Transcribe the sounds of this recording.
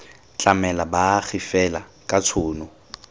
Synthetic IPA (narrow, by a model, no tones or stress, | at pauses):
t͡ɬʼamɛlabaɣɪfɛlakʼat͡sʰʊːnʊ